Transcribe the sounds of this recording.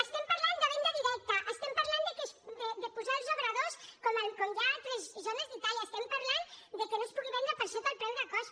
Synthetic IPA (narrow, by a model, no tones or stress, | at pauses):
əst̪ɛmpəɾland̪əβɛnd̪əðiɾɛk̚t̪əʔəst̪ɛmpəɾland̪əkesd̪əd̪əpuzalˠzoβɾəðoskɔməlkoɲʒat̪lezzonəzðət̪aʎəst̪ɛmpəɾland̪əkənospuɣiβɛnd̪ɾəpəɾʃot̪əlpɾɛnd̪əkɔs